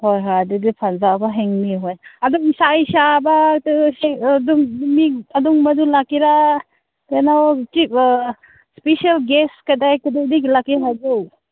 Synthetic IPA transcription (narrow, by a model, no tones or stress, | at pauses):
hojɦadidipʰanzabaɦeŋmiɦojɐduŋsajsabatsiduŋmiɐduŋmɐdulakiɾa | kenawt͡ʃik | spesialɡeskadajkidadiklakiɦad͡ʒuw